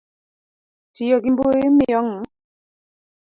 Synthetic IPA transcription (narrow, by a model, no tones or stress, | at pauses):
tijɔɡimboemijɔŋa